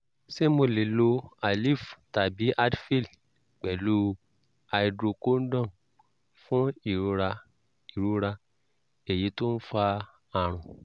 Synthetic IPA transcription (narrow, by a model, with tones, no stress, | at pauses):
se˦mo˧le˨˦lo˧a˨li˦˨fta˨bi˨˦ʔa˦dfi˦˨l | k͡pɛ˨lu˨˦ | a˧i˧dɾo˧ko˦n̩˦dɔ̃˦˨ | fũ˦i˦˨ɾu˧ɾa˧ | i˨ɾu˧ɾa˧ | e˨ji˨˦to˦n̩˦fa˧ | a˨ɾ̃ũ˨